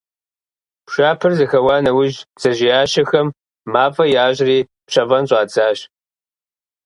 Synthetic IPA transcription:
pʂʷaːpʰɨrzɨxɐwaːnɐwʊʒt͡sʼɐʒɪjaːʃɐxɐmː | aːpʼɐjaːʑriː | pɕɐvɐnɕʼɑːt͡sʰʼaːɕ

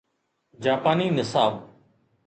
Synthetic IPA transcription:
d͡ʒaːpaːniːnɪsaːʋ

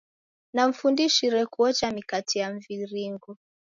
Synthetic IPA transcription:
nam̩fundiʃiɾɛkuɔt͡ʃamikatijaɱviɾiŋɡɔ

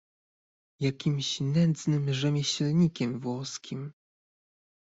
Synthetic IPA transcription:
jakʲimɕnɛnd̪znɘmʐɛmʲjɛɕlɲikʲɛmvwɔskʲʰim

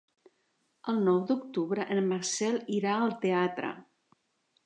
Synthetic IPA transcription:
əlˠnɔwd̪uk̚t̪uβɾəʔənmaɾsɛliɾaəlˠt̪eat̪ɾə̰

